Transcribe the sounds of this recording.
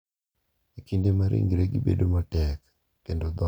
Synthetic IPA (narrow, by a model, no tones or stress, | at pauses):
ekindemaɾʔḭŋɡɾeɡibḛdomatɛk | kendod̪ɔ